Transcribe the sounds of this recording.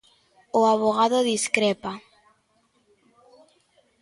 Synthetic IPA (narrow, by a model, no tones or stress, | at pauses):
oaβoɣaðoðiskɾɛpa